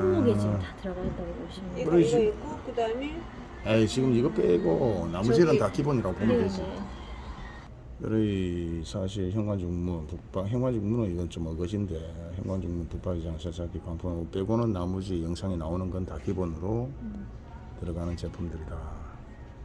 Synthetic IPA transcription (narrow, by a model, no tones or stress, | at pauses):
tɯɾaɡataoikɯɾiiik͈okɯdame | at͡ɕiɡɯmiɡʌp͈eɡonamud͡ʑiɾɯntakʰiboniɾaɡoponɯɡei | ɯɾɯisʰaɕ̬ʰiçjʌŋɡwand͡ʑuŋmupuk̚p͈akçjʌŋɡwand͡ʑuŋmunɯniɡʌnt͡ɕomʌɡʌɕinde̞çjʌŋɡwand͡ʑuŋmunpuk̚p͈aɡid͡ʑaŋsʰasakʰipaŋpʰumop͈eɡonɯnːamud͡ʑijʌŋsʰaŋinaonɯnɡʌntakʰibonɯɾo | tɯɾʌɡanɯnt͡ɕepʰɯmdɯɾida